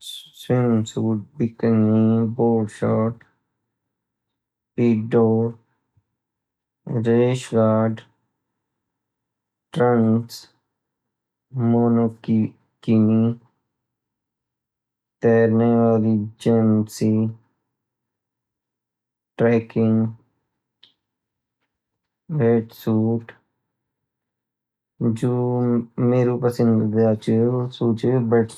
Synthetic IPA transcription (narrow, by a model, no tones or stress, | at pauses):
sinsuːʈ̚bɪkəŋiboːɖʃɔːʈ | piːɖoːɾ | ɾeːʃɡaːɖ | ʈɾə̃ns | moːnok | kini | t̪ɛːɾneːʋaːliːd͡ʒəmsi | ʈɾɛːkɪ̃ŋɡ | ʋeːʈsuːʈ | d͡ʒoːmeːɾuːpəsə̃nd̪d̪aːt͡ʃəsuːt͡ʃəbəʈ